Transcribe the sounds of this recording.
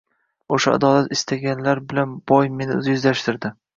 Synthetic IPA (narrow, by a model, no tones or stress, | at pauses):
oʃaa̰d̪ɒlat̪ɪst̪ʰaɡʲanlaɾbɪlanbɒjme̞nɪʊ̰zjʊzlaʃt̪ɪɾd̪ɪ